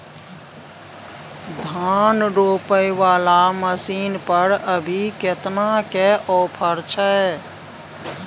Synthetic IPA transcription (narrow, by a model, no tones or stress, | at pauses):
d̪ʱanɾopəjʋaːlaməsiːnpəɾəbʱiket̪nakeʔɔːpʰəɾt͡ʃʰɛe